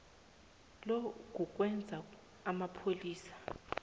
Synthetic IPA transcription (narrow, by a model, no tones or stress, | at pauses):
lɔk̬ʼuk̬ʼwɛnd͡zʱa | amapʰoliːsḁ